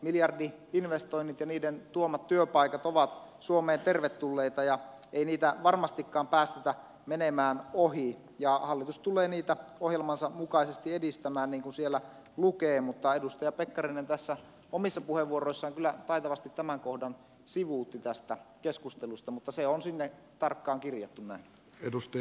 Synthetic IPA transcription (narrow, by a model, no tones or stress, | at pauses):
miljɑrdiinʋest̪oinːit̪jɑniːdent̪uomːˑɑt̪tyøpɑikɑt̪oʋɑt̪suomeːnt̪erʋet̪ːulːeit̪ɑjɑ | einiːt̪æʋɑrmɑst̪ikːɑːmpæːst̪et̪æ | menemæːnoɦi | jɑhɑlːit̪ust̪ulˑeːniːt̪æohjelmɑnsɑmukɑˑisest̪iedist̪æmæːnniːŋkunsielːæ | lukeːmut̪ːɑedust̪ɑjɑpekːɑrinent̪æsːæ | omisːɑpuheʋʋuoroisːɑːŋkylːˑæt̪ɑit̪ɑʋɑst̪it̪tæmæŋkohdɑn | siʋuːt̪ːit̪æst̪ækeskust̪elust̪ɑmut̪ːɑseonsinːe | t̪ɑrkːɑːŋkirjɑt̪ːunnæˑin | edust̪ɑ